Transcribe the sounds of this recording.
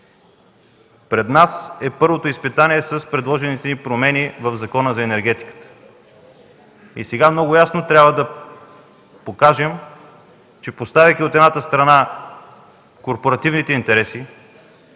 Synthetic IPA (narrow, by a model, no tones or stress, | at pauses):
pɾɛd̪nasɛpɤɾvot̪oispit̪anʲiɛsɐspɾɛd̪lˠɔʒɛnit̪ɛnipɾomɛnivəvzɐkɔnəzɐɛnɛɾɡ̟ɛt̪i̥kə̥t̪ə̥ | ḭsɛɡamnɔɡʊjasnot̪ɾʲabvəd̪ɐ | pokaʒɛm | t͡ʃɛpost̪avʲɐkʲiot̪ɛd̪nat̪əst̪ɾɐna | koɾpoɾɐt̪ivnit̪ɛint̪ɛɾɛsi